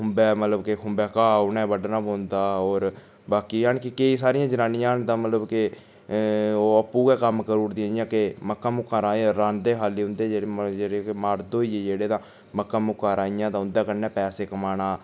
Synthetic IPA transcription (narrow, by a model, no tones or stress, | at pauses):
ʊmbɛːmət̪ləbkekʰʊmbɛːkaːʊnɛ̃ːbəɖnãːbõːnd̪aːoːɾ | baːkiːjaːnkɪkeiːs̬aːɾɪjãːd͡ʒənaːnɪjãːnd̪ãːmət̪ləbke | oːəpːuːɡɛːkəmkəɾoːɾd̪iãːd͡ʒɪjãːkɪməkːãːmʊkːaːɾãːɾaːnd̪eːkʰaːliːʊnd̪eːd͡ʒeːd͡ʒeːɽekmaːɾd̪oːiːeːd͡ʒeːɽeːd̪ãː | məkːãːmʊkːaːɾaːijãːt̪ãːʊ̃nd̪aːkənɛːpɛːseːkəmaːnaː